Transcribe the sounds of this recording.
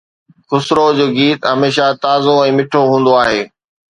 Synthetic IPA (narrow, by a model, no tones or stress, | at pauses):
xʊsɾod͡ʑoːɡiːt̪ɦɐmeːʃat̪aːzoɛ̃ːmɪʈʰoɦũːn̆d̪oaːɦeː